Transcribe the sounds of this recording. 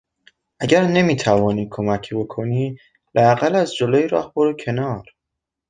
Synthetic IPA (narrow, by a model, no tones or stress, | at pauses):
ʔæɟæɾne̞miːt̪ʰævɒːniːkʰo̞mæcʰbo̞kʰo̞niː | lææɣælæzd͡ʒoloːjiɾɒ̰ːhboɾocʰe̞nɒːɾ